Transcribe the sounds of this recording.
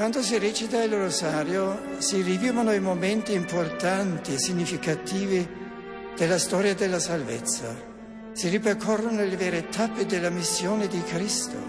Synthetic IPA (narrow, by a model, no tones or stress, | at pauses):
kwand̪os̬irɛt͡ʃit̪ailrosaːɾjosiriviːvanoimomɛnt̪iːmport̪ant̪isiɲːifikat̪iːvɪ | d̪̥elːast̪ɔːɾjad̪elːasalvet̪sːa̰ | siriperkʰɔrːonolevɛːɾet̪ʰapːɪd̪elːamisːjoːnɪd̪ikɾist̪o̰